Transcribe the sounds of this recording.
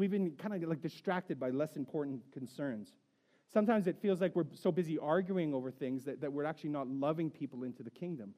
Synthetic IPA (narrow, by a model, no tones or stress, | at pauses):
wivɨ̃nkʰãɪ̃ndɨlaɪk̚d̥ɨstɹ̥æk̚tɨd̚baɪlɛsɨ̃mpʰɔɹʔn̩kʰn̩sɜ̃˞nz̥ | sʌ̃mtãɪ̃mzɨtfilˠzlaɪkwɨɹsoʊbɪziʔɑɹɡjʉɪ̃ŋoʊvə˞θɪ̃ŋzðɨt̪̚ðɨt̚wɨɹæk̚t͡ʃʉl̩ˠinətˡlʌvɪ̃ŋpʰipl̩ˠɪ̃ntʰʉðɨkʰɪ̃ŋdɨ̃m